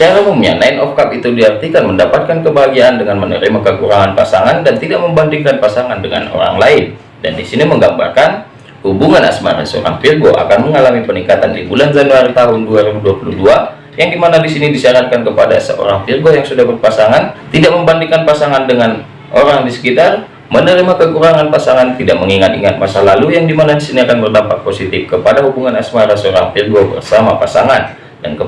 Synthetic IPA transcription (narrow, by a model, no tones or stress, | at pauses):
t͡ʃaɾamumɲa̰naɪnɔfkapit̪udiart̪ikanməndapat̪̚kankəbaɦaɡiaʔandəŋanmənə̰ɾimakəkuɾaŋanpasaŋandant̪idaʔ̚məmbandiŋkanpasaŋandəŋa̰no̰ɾa̰ŋlaɪn | da̰ndisiniməŋɡamba̰rkan | hubuŋana̰sma̰ɾa̰səo̰ɾa̰ŋfirɡoʔa̰kanməŋalamipənikat̪andibuland͡ʒanuaɾit̪aɦʊnduaɾibuduapuludua | jaŋdimanadisinidisaɾat̪̚kankəpada̰sə̰ʔo̰ɾaŋfirɡojaŋsudahbərpasaŋant̪idaʔ̚məmbandiŋkanpasaŋandəŋan | ʔoɾaŋdisə̥kit̪ar | mənəɾimakəkuɾaŋanpasaŋant̪idaʔ̚məŋiŋat̪̚ḭŋat̪̚masalalujaŋdimanadisiniakanbərdampat̪̚posit̪ɪfkəpadahubuŋanasmaɾasoɾa̰ŋfirɡobə̰rsamapasaŋan | da̰nkə